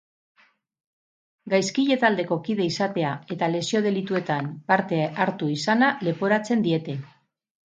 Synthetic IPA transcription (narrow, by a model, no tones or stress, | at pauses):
ɡajskiʎe̞t̪ald̪e̞ko̞kiðe̞isat̪e̞ae̞t̪ale̞sio̞ð̞e̞lit̪ue̞t̪ampaɾt̪e̞aɾt̪uisanale̞po̞ɾat͡se̞nd̪ie̞t̪e̞